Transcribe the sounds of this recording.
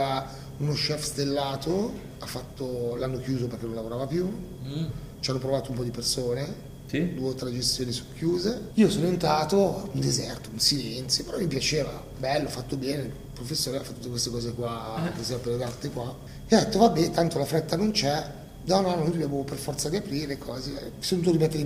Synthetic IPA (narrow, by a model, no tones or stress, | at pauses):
a | unoʃɛfst̪elːaːt̪ʰo | afːat̪ːolanːok̟juːzoperk̟enːõnlavoɾaːvapju | t͡ʃianːopɾovaːt̪oumpɔd̪ipersoːne | d̪uet̪ɾed͡ʒest̪joːnisokʰːjuːzeiːosoːnoent̪aːt̪ound̪ezɛrt̪ounsilɛnt̪sjopeɾɔmːipjat͡ʃeːva̰ | bɛlːoafːat̪ːobɛːne | pɾofesːoːɾeafat̪ːut̪ːekwest̪ekɔːzekwakesɛvapeled̪art̪ekwa | ɛd̪ɛt̪ːovabːɛt̪ant̪olafɾɛt̪ːanont͡ʃɛ | d̪ɔnanojdobjamoperfɔrt̪sad̪iapɾiːɾekʰɔːzesonuːt̪oɾimet̪ːe